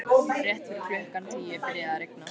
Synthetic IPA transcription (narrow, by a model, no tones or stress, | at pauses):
oːaɾjɛht̪fɪɾɪɾflœhkant̪ʰiːjɛfɪɾjɪaɾejk̚na